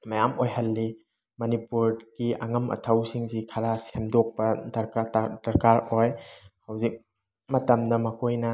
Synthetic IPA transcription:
mɐjamojɦɐlːi | mɐnipuɾɡ̥iɐ̰ŋɐmʔɐ̰tʰawsiŋzikʰɐɾasemdɔk̚pɐdɐɾkadɐɾkaɾojhawzik̚ | mɐtɐmdɐmɐkʰojnɐ

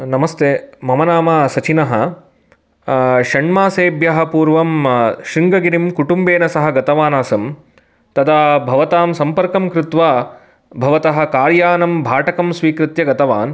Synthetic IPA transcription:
nɐmɐst̪eːmɐmɐnaːmɐsɐt͡ʃinɐɦɐ | ʃɐɳmaːseːbjɐɦɐ̆puːɾʋɐmʃɾiŋɡɐɡiɾimkuʈumbeːnɐsɐɦɐ̆ɡɐt̪ɐʋaːnaːsɐm | t̪ɐd̪aːbʱɐʋɐt̪aːmsɐmpɐɾkɐmkɾɪt̪ʋaː | bʱɐʋɐt̪ɐɦɐ̆kaːɾjaːnɐmbʱaːʈɐkɐmsʋiːkɾɪt̪jɐɡɐt̪ɐʋa̰ːn

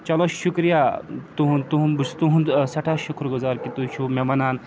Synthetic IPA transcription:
t͡ʃɐloʃukɾijat̪uɦunt̪uɦũnbust̪uɦũnsɐʈʰaʃukʰɾɡuzaːɾkit̪ut͡ʃʰumemɐnaːn

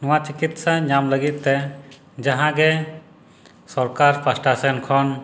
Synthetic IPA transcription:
nɔwat͡ʃikit̪saɲamləɡit̪̚ːɛ | d͡ʒaɦãɡɛ | sɔɾkaɾpʰasʈasɛnkʰɔn

